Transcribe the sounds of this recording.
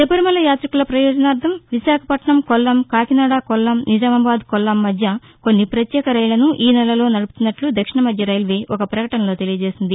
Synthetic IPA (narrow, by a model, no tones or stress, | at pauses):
sepɐɾimɐlːɐjaːt̪ɾikulɐpɾɐjɔːd͡ʒɐnaːɾt̪ʰɐmʋiʃaːkʰɐpɐʈɳɐmkɔlːɐmkaːkinaːɽaːkɔlːɐmnid͡ʒaːmɐbaːd̪kɔlːɐmːɐd̪ʱjɐ | konːipɾɐt̪jɛːkɐɾɐjlɐnuʔiːnɛlːɐlo̞ːnɐɽuput̪unːɐʈlud̪ɐkʂiɳɐmɐd̪ʱjɐɾɐjlʋeːʔɔkɐpɾɐkɐʈɐnɐlo̞ːt̪e̞lijɐd͡ʒe̞ːsind̪i